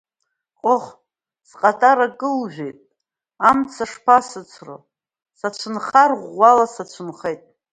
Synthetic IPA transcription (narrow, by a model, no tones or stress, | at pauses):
qʼoχ | sqʼatʼaɾaɡɨlʒʷᶣejtʼ | amt͡sʰaʂpʰasɨt͡sʰro̰ | sat͡ʃʷʰɨnχarʁʷalasat͡ʃʷʰɨnχejtʼ